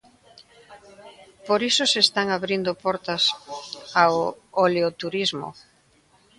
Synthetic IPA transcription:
poɾisosest̪aŋaβɾind̪opɔɾt̪ɐsaooleot̪uɾizmo̰

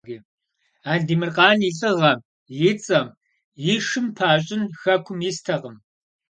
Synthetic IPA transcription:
ɡiː | aːɮdiːmɨrqɑːniɬʼɨʁɐ | jɪt͡sʼɐm | jɪʂɨmpʰaːɕʼɪnxɐkʷʰʊmjɪstʰɐʁəm

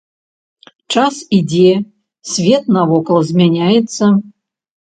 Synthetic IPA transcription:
t͡ʂasidʲe | sʲvʲet̪̚nɐvɔkˠzʲmʲɛnʲajɛt̪sːɐ

